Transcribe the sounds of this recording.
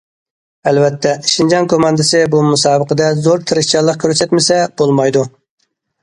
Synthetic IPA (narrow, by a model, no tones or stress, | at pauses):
ɛlvɛt̪ʰːɛʃind͡ʒɑŋkʰomɑnd̪ɪsɪbumusɑːbəqəd̪ɛzoɾt̪ʰɨɾɪʃt͡ʃɑlːˠəq̚kʲʰøɾsɛt̪mɪsɛb̥olˠmɑjd̪u